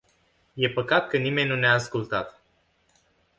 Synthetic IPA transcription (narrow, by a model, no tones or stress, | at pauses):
je̞pəkat̪kənime̞nʲnuneaːskult̪at̪